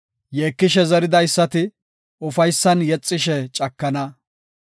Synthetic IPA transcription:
jeːkːɪʃɛzɐɾɪd̪ɐjsːɐt̪ɪ | ʊfɐjsːɐnjɛt͡sʼːɪʃɛt͡ʃʼɐkːɐnɐ

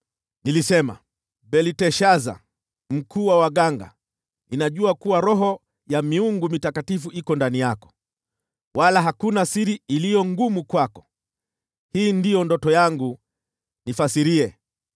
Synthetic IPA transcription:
nilisɛma̰ | bɛlitɛʃaza̰ | m̩kʰuːwawaɠaŋɡa̰ | inaʄuakuwaɾɔɦɔ | jamiuŋɡumitakatifuʔikɔndanijakɔ̥ | walaɦakunasiɾiilijɔŋɡumukwakɔ̥ | hiːndijɔndɔtɔjaŋɡu | nifasiɾiɛ

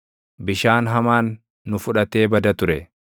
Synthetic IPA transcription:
bɪʃaːnɦɐmaːnː | ʊfʊᶑɐt̪e̞ːbɐd̪ɐt̪ʊɾɛ

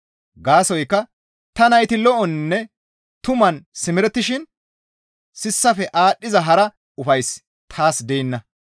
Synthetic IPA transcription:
ɡaːsɔjkːɐ | t̪ɐnɐjt̪ɪlɔʔɔnːɛ | t̪ʊmɐnsɪmɪɾɛt̪ːɪʃɪn | sɪsːɐfɛʔaːɗːɪzɐɦɐɾɐ | ʊfɐjs | t̪ʰaːsd̪ɛjɪnːɐ

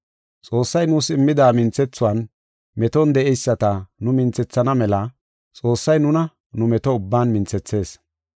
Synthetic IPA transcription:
t͡sʼo̞ːsːɐjnʊsɪmːɪd̪aːmɪnt͡sɛt͡sːʊwɐːn | mɛt̪ɔnd̪ɛʔɛjsːɐt̪ɐnʊmɪnt͡sɛt͡sːɐnɐmɛlɐ | t͡sʼo̞ːsːɐjnʊnɐ | nʊmɛt̪ɔʊbːaːnmɪnt͡sɛt͡sːe̞ːs

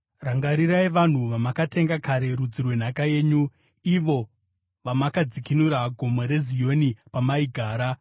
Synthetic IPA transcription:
raŋɡaɾiraiʋan̤uʋamakate̞ŋɡakaɾe̞ɾud͡zirwe̞n̤akaje̞ːɲu | iʋo̞ | ʋamakad͡zikinuɾaɡʱo̞moɾe̞zijo̞nipamaiɡʱaːɾa

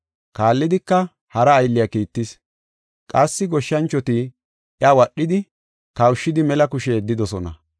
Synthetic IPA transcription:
kaːlːɪd̪ɪkːɐ | hɐɾɐːjlːɪjakiːt̪ːɪs | kʼɐsːɪɡɔʃːɐnt͡ʃːɔt̪i | ɪjawɐɗːɪd̪ɪ | kɐwʃːɪd̪ɪmɛlɐkʊʃeːd̪ːɪd̪ɔsɔnɐ̰

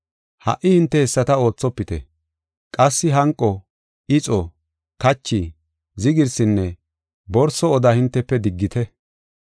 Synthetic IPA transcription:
hɐ̰ʔːɪhɪnt̪ːɛhɛsːɐt̪ɐo̞ːt͡sːɔpːɪt̪ɛ̰ | kʼɐsːɪɦɐŋkʼːɔ | ɪt͡sʼɔ | kɐt͡ʃːi | zɪɡɪɾsɪnːɛ | bɔɾsɔɔd̪ɐhɪnt̪ːɛpːɛd̪ɪɡːɪt̪ɛ

